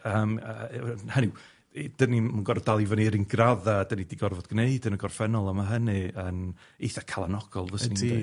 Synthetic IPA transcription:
əːmənhənɪw | d̥ənimanɡɔrɔdalˠivəniɾinɡraðadənidiɡɔrvɔd̥ɡ̥neɨdənəɡɔrfɛnɔlˠamaɦənɨənejθakʰalˠanɔɡ̥ɔlˠvəsni

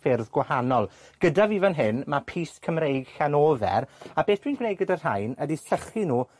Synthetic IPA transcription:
fɪrðɡwahanɔlˠ | ɡ̥ədavivənɦɪnmapʰiːskʰəmrejɡ̥xanoːvɛ̰ɾabeːθd̥wiːnɡwnejɡədar̥ajnədisəχinuː

